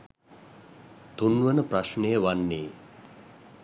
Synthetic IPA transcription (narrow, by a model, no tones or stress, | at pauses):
t̪unʋənəpraʃnejəʋanːeː